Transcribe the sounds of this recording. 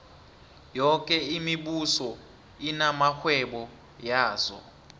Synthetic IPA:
jɔk̬ʼɛimiɓusɔ | inamaxwɛɓɔ | jaːzɔ̰

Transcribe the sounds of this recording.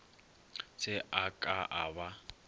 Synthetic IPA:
t͡sʰʼɪʔakʼaʔaba

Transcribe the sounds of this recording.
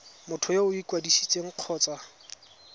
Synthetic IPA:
mʊtʰʊjoʊikʼwadisi̥t͡sʼeŋ̩q͡χʰɔːt͡sʼa

